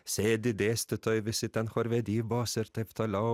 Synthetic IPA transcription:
seːd̪ɪd̪eːst̪ət̪ʰœʏʋɪsɪt̪ɛnxɔɾʋɛd̪iːbɑːsəɾt̪ʰɛft̪ʰɑlɑ

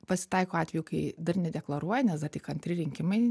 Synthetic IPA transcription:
pɐsʲɪ̥t̪ɐɪkoːɑːt̪ʲʋʲɛːjukɐɪd̪ɐrnʲɛd̪ʲɛklˠɐɾuɔjɛnʲɛsd̪ɐt̪ʲɪkɐnʲt̪ʲɾʲɪɾʲɪŋʲkʲɪmɐɪ

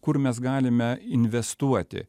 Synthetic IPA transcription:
kʊɾmʲɛs̬ɡɑːlʲɪmʲɛɪnʲʋʲɛst̪uɔt̪ʲɪ̰

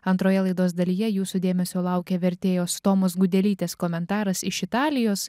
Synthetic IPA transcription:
ɐnt̪ɾoːjɛlˠɐɪd̪oːsd̪ɐlʲiːjɛjuːsud̪ʲeːmʲɛsʲoːlˠɐˑʊkʲeːʋʲɛɾʲt̪ʲeːjoːst̪oːmoːsɡʊd̪ʲɛlʲiːt̪ʲeːskɔmʲɛnt̪ɑːɾɐsɪʃɪt̪ɑːlʲɪjoːs

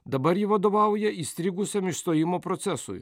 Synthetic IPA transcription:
d̪ɐbɐɾjiʋɐd̪ɔʋɑwjɛist̪ʲɾʲiɡʊsʲɐmʲiʃst̪ɔjimɔpɾɔt̪sɛsʊ̰jʊ̰

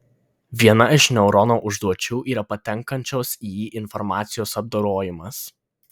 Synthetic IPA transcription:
ʋʲiɛnɐɪʃnʲɛʊɾɔnoːʔʊʒd̪uɔt͡ʃʲuːʔiːɾɐpɐt̪ʲɛŋkɐnʲt͡ʃʲoːsiːjiːʔɪnfɔɾmɑːt̪sʲɪjoːsɐb̚d̪oːɾoːjɪmɐs

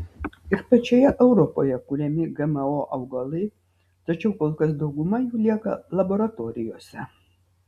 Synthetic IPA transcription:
ɪɾpɐt͡ʃʲɛjɛʔɛʊɾɔpo̰jɛkulʲɛmʲɪɡɛmɛoʔɐʊɡɐlˠɐɪ | t̪ɐt͡ʃʲɛʊkoːlˠkɐs̬d̪ɐʊɡʊmɐjuːlʲiɛkɐlˠɐboɾɐt̪oːɾʲɪjoːsʲɛ

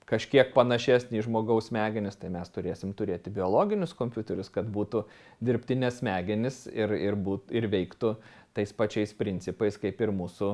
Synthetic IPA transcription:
kɐʃʲkʲiɛk̚pɐnɐʃʲæsʲnʲiːʒmoːɡɐʊsmʲæːɡʲɪnʲɪst̪ɐɪmʲɛst̪ʊɾʲeːsʲɪmt̪ʊɾʲeːt̪ʲɪbʲɪoːlˠoːɡʲɪnʲʊskoːmʲpʲuːt̪ʲɛɾʲʊskɐt̪buːt̪ʊ | d̪ʲɪɾʲpʲt̪ʲɪnʲɛsmʲæːɡʲɪnʲɪsɪrɪɾbuːtɪɾʋʲɛɪkt̪ʊ | t̪ɐɪspɐt͡ʃʲɛɪspʲɾʲɪnʲt͡s̪ʲɪpɐɪskɐɪpɪɾmuːsʊ

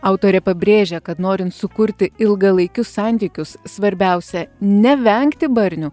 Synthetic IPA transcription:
ɑʊt̪oːɾʲɛpɐbʲɾʲeːʒʲɛkɐt̪noːɾʲɪnt̪sʊkʊɾʲt̪ʲɪɪlˠɡɐlˠɐɪkʲʊsɑːnʲt̪ʲiːkʲʊssʋɐɾʲbʲɛʊsʲɛnʲɛʋʲɛŋkt̪ʲɪbɐɾʲnʲʊ

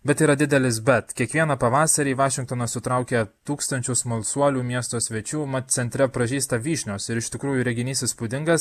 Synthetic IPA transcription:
bʲɛt̪iːɾɐd̪ʲɪd̪ʲɛlʲɪs̬bʲɛt̪kʲiɛkʋʲiɛnɐpɐʋɑːsɐɾʲiːʋɑːʃʲɪŋkt̪oːnɐsʊt̪ɾɐʊkʲeːt̪uːkst̪ɐnʲt͡ʃʲʊsmɐlʲˠsuɔlʲuːmʲiɛst̪oːsʲʋʲɛt͡ʃʲuːmɐsʲɛnʲt̪ʲɾʲɛpɾɐʒʲiːst̪ɐʋʲiːʃʲnʲoːsɪɾɪʃʲt̪ʲɪkɾuːjuːɾʲɛɡʲɪnʲiːsʲɪspʊd̪ʲɪŋɡɐs

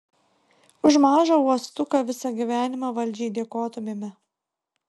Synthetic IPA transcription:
ʊʒmɑːʒɐuɔst̪ʊkɐʋʲɪsɐɡʲiʋʲæːnʲɪmɑʋɐlʲˑd͡ʒʲɛɪd̪ʲiɛkoːt̪omʲemʲɛ

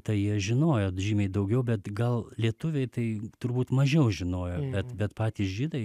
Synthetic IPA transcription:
t̪ɐɪjiɛʒʲɪnoːjoːʒʲiːmʲɛɪd̪ɐʊɡʲɛʊbʲɛt̪ɡɐlˠlʲiɛt̪ʊʋʲɛɪt̪ɐɪt̪ʊɾbuːt̪mɐʒʲɛʊʒʲɪnoːjoːbʲɛt̪bʲɛt̪pɑːt̪ʲiːsʒʲiːd̪ɐɪ

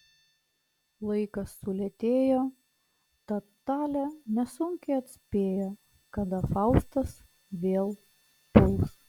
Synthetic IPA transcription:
lˠɐɪkɐsːʊlʲɛt̪ʲeːjoː | t̪ɐ | t̪ɑːlʲɛnʲɛsʊŋʲkʲɛɐt̪ʲsʲpʲeːjo | kɐd̪ɐfɑʊst̪ɐs | ʋʲeːlˠ | pʊlˠs

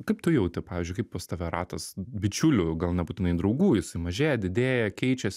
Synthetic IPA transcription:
kɐɪp̚t̪ʊjɛʊt̪ʲɪpɑːʋʲɪzd͡ʒʊɪkɐɪppost̪ɐʋʲɛɾɑːt̪ɐsbʲɪt͡ʃʲʊlʲʊɡɐlˠnʲɛbuːt̪ʲɪnɐɪd̪ɾɐʊɡuːjɪsɐɪmɐʒʲeːjɛd̪ʲɪd̪ʲeːjɛkʲɛɪt͡ʃʲɛs

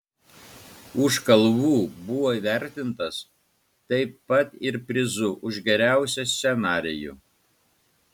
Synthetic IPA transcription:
ʊʃkɐlˠʋuːbʊʋoːiʋʲæˑɾʲt̪ʲɪnt̪ɐs | t̪ɐɪɐt̪ɪɾpʲɾʲɪzʊʔʊʒɡʲɛɾʲæˑʊsʲɛsʲsʲɛnɑːɾʲɪjṵ

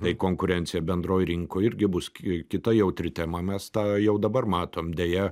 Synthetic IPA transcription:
t̪ɐɪkoːŋkʊɾʲɛnʲtsʲɪjɛbʲɛnd̪roːjɾʲɪŋkoːɪɾʲɡʲɪbʊsʲkʲɪt̪ɐjɛʊt̪ʲɾʲɪt̪ʲɛmɐmʲɛst̪ɑːjɛʊd̪ɐbɐrmɑːt̪oːmd̪ʲeːjɛ

